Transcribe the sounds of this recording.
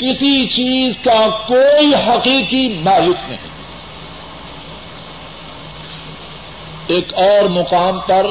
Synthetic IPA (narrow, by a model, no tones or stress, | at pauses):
kɪsit͡ʃiːzkakoːiɦɐqiːqimaːlɪknɐ̰ɦḭ̃ | eːkɔːɾmʊqaːmpɐɾ